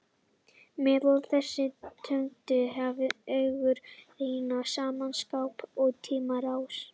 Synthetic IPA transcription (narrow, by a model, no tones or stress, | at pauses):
mɛːðɔlθɛsːɪt̪ʰœɥŋt̪ʏɦɛvɪœɥɣʏɾɾiːjnasaːmanskawpɔɣt̪ʰiːmaɾaws